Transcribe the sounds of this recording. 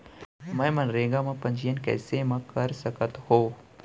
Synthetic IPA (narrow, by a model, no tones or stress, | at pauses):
mɛ̃ːmɐ̃nɾeːɡamãpɐ̃ɲd͡ʒɪjənkɛ̰ːsemãkɐɾsəkət̪hoː